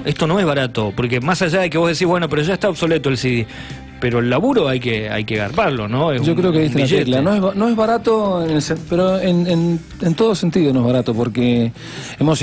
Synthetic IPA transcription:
est̪o̞no̞ezβaɾat̪opoɾkemasaʒaðek̬eβo̞hðesihβwe̞nopeɾoʒaeht̪aoβso̞let̪oelsiði | peɾo̞elːaβuɾoajkea̰jkeɣaɾpaɾlonoesʒokɾeokeðitt̪eaʒeelanoezanoezβaɾat̪oenelsepeɾoenen | ent̪oð̞osent̪iðonoe̞zβaɾat̪opoɾke | emos

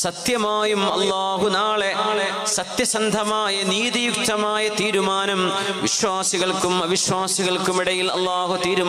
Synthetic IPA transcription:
sɐt̪jɐmaːjumɐlːaːɦunaːɭee | sɐt̪jɐsɐnd̪ʱɐmaːjɐniːðijuk̚t̪ɐmaːjɐt̪iːɾumaːnɐm | ʋiɕwaːsiɣɐɭkumɐbiɕwaːsiɣɐɭkumiɽɐjilɐ̰lːaːɦut̪iːɾum

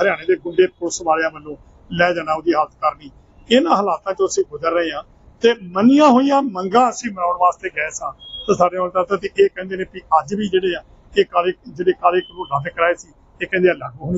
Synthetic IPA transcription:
ɦəɾɪjaːneːd̪eːɡʊɳɖeːpʊsʋaːleãːbəlːõː | lɛːd͡ʒaːnãːod̪iːɦət̪ʰkəɾniː | ɪnãːɦəlaːt̪ãːt͡ʃõːəsĩːɡʊdəɾːəẽːãː | t̪eːmənijãːɦoːijãːməŋɡãːəsĩːmənaːɳʋaːst̪eːɡɛːsãːt̪ãːsaːɖeːoːnt̪aːt̪aːt̪eːʔeːkɛ̃ːnd̪eːnẽːpiəd͡ʒʋiːd͡ʒeːɽeːãː | eːkaːlek̚d͡ʒeːɽeːkaːleːkɾuːlaɡkəɾaːeːsiː | eːkɛ̃ːnd̪eãːləɡɦoːniː

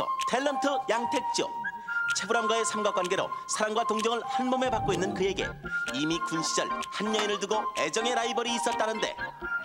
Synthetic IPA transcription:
ʌ̰tʰe̞ɭːʌntʰɯjaŋtʰe̞k̚t͡ɕ͈o̰t͡ɕʰe̞bɯɾamɡwae̞sʰamɡak͈wanɡe̞ɾo̰sʰaɾaŋɡwatoŋd͡ʑʌŋɯɭhanmome̞pak͈̚oinːɯnkɯe̞ɡe̞̰imikunɕʰid͡ʑʌ̰ɭhanjʌinɯɭdɯɡoed͡ʑʌŋe̞ɾaibʌɾiːs͈ʌt̚t͈anɯnde̞̰

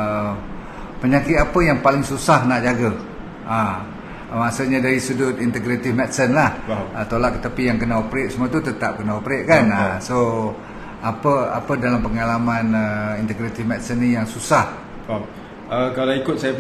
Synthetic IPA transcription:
pəɲakɪt̪apəjaŋpalɪŋsusahnaʔd͡ʒaɡə | a | masaɲadaɾisədʊt̪int̪əɡɾat̪ɪfmɛt̪sənlahət̪olaʔkːə̥t̪apijaŋkənaopɾet̪səmuat̪ut̪ət̪ap̚kənaopɾeʔ̪̚kanaso | apəa̰pədalampəŋalamanəint̪əɡɾat̪ɪfmɛt̪sənijaŋsusah | əkalaikʊt̪̚saja

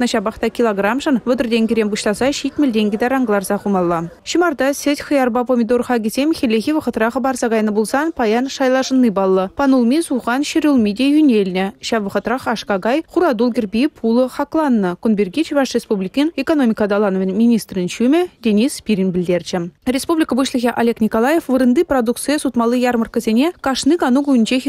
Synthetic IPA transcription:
nɑʃɑbɑχt̪ɑkʲilˠoɡrɑmʒənvəd̪ərd̪eŋkʲʰɪɾembuʃt̪ˠɑsɑʃit̪mɪld̪ʲeŋɡʲɪd̪ɑɾɑŋɡlˠɑrzɑχumɑlˠːɑ | ʃimɑrd̪ɑsʲet̪ʲχəjɑrbɑpomʲid̪orχɑɡʲesʲemʲxʲelʲexʲivəqə̆t̪ɾɑʁəbɑɾsɑʁɑjnəbulˠsɑnpʰɑjɑnʃɑjlˠɑʒənːəjbɑlˠːəpʰɑnulˠmʲisuχɑnʃeɾʲulˠmʲid̪ʲejynʲelnʲɪʃɑʋəχə̆t̪ɾɑχɑʃkɑɡɑjχuɾɑd̪ulˠɡʲerbʲijpʰulˠəχɑklˠɑnːəkonbʲerɡʲit͡ʃbɑʂrʲespublʲikinekono̞mʲikɑd̪ɑlˠɑnəvenmʲinʲist̪rənʃymɘd̪ʲenʲispʲiɾʲinbɪld̪e̞ɾʒɪrʲespublʲikəbəʃlˠəɣʲeʔalʲe̞knʲikolˠɑjefvəɾənd̪əjprod̪uk̚t̪sɨjəsut̪mɑlˠəjɑrmərkəzenʲekʰɑʃnɨkɑnuɡujɪ̆nd͡ʒe

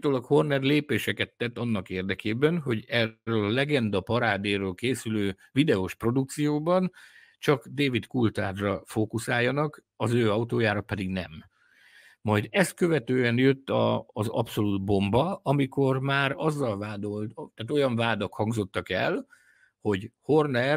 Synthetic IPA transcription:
t̪olokho̞rnɛrleːpeːʃɛkɛt̪ːɛt̪ːɒnːɒkeːrd̪ɛkeːbɛnɦo̞ɟɛølɒlɛɡɛnd̪ɒpɒɾaːd̪eːɾoːlkeːsyløː | vid̪ɛoʃpro̞d̪uk̚t̪sijoːbɒn | t͡ʃɒkd̪eːvit̪kult̪aːd̪rɒfoːkusaːjːɒnɒk | ɒzøːɒwt̪oːjaːɾɒpɛd̪iɡnɛmː | ɒjd̪ɛst̪̚kø̞vɛt̪øːɛnjøt̪ːɒ̰ːzɒ̰pso̞luːd̪̚bo̞mbɒɒmiko̞rmaːɾɒzːɒlvaːd̪olt̪t̪aːt̪o̞jɒɱvaːd̪okhɒŋɡzo̞t̪ːɒkɛ̰l | ho̞ɟhornɛ

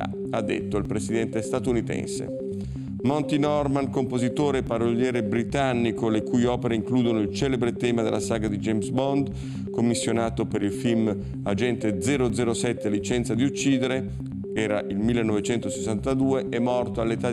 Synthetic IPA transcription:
a̰ | ad̪ːḛt̪ːoilpɾesid̪ɛnt̪est̪at̪unit̪ɛ̰nsḛ | mɔnt̪inɔrmankompozit̪oːɾepaɾoʎːjɛːɾebɾit̪anːikolekuːjɔːpeɾeiŋkluːd̪onoilt͡ʃɛːlebɾet̪ɛːmad̪ḛlːasaːɡad̪id͡ʒejmsbɔnd̪ | komːisːjonaːt̪opeɾilfilm | ad͡ʒɛnt̪ed̪zɛːɾod̪zɛːɾosɛt̪ːelit͡ʃɛnt̪sad̪iut͡ʃːiːd̪eɾe | ɛːɾa̰ʔilmilːenːɔvet͡ʃɛnt̪osesːant̪ad̪uːeʔɛmːɔrt̪oalːet̪a

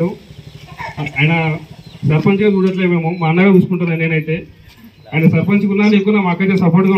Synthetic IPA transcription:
u | ajnasɐɾpɐnt͡ʃɡaːt͡ʃuːɽɐʈ̬leːme̞ːmumaːnːaːɡausu̥kuɳʈund̪ɐnːeːnɐjit̪eː | aːjinasɐɾpɐnsukunːaːnikːunaːmaːkːɐjt̪esɐpoːɾʈɡa

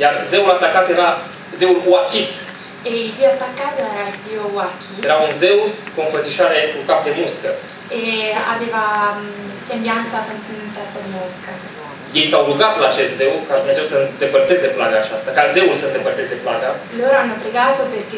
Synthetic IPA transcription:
jarzeulat̪ːakːat̪jeɾa | zeulwakʲit̪ | eild̪ioat̪ːakːat̪oɛɾaild̪iowakʰʲːijeɾaunzewkoonfət̪siʃaɾekukap̚d̪emuskə | ea̰veːva | sembjant̪sapənt̪at̪sad̪imoskə | je̞jsawɾuɡat̪laːt͡ʃest̪zewkad̪umnezewsənd̪epərt̪ezeplaɡaːt͡ʃast̪akaze̞ulsəɨnd̪epərt̪ezeplaɡaloːɾoanːopɾeɡaːt̪operke

